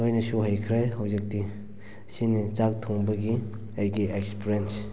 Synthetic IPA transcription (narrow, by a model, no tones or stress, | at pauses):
ojnɐsuɦajkʰɾejɦawzik̚di | sinit͡ʃak̚tʰoŋbɐɡi | ajɡiekspɾens